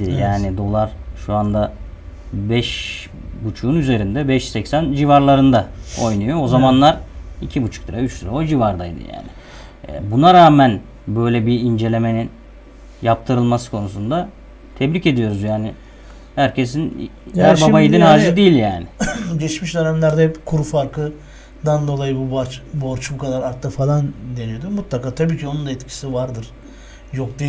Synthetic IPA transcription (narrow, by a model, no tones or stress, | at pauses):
ijaːnid̪o̞lˠaɾʃuand̪a | bɛʃ | but͡ʃʰuːnyze̞ɾind̪ɛbɛʃsɛcsænd͡ʒivaɾlˠaɾɯnd̪ao̞jnujoozamanlˠaɾicʰibut͡ʃʰu̥kt̪ɯɾayt͡ʃt̪ʰɯɾaod͡ʒivaɾd̪ajd̪ɯ̰ja̰ːnɪ̰ | bunaɾaːmæn | bø̞jlʲɛbiind͡ʒe̞lʲe̞me̞nin | jap̚t̪ʰɯɾɯlˠmasɯ̥kʰo̞nusund̪a | t̪ʰɛbɾice̞d̪ijo̞ɾuzjaːnɪ | hæɾcʰe̞sinæɾbabajid̪ʲinhaɾzid̪ijilʲjaːnɪɟɛt͡ʃmiʃd̪ønæmlʲæɾd̪ɛkʰuɾfaɾkʰɯ | d̪and̪o̞lˠajɯbubaɾt͡ʃbo̞ɾt͡ʃbukʰad̪aɾaɾt̪lɯfalˠand̪e̞nijo̞d̪umut̪lˠakaːt̪ʰabiːcʰio̞nund̪aɛt̪cʰi̥sivaɾd̪ɯɾ̥ | jok̚d̪i